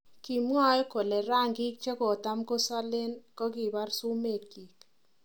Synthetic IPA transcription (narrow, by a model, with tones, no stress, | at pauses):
ki˨mŋɔ˦ko˨le˨ɾa˦˨ŋɡi˦k̚t͡ʃe˦ko˨ta˦mko˦sa˦le˦nkɔ˦ki˨ba˦rsu˦me˦˨tkiː˨k̚